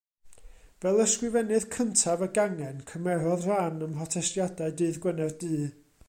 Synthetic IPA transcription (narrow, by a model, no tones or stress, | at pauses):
vɛlˠəskwɪvɛnɨðkʰəntʰavəɡaŋɛnkʰəmɛɾɔðr̥aːnəmɦɔtʰɛstjadaɨdɨːðɡwənɛrdɨː